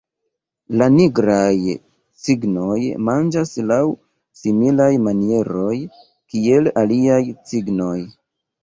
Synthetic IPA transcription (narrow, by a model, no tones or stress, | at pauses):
laniɡɾaj | siɡno̞jmand͡ʒaslaw | similajmanie̞ɾo̞j | kie̞laliajsiɡno̞j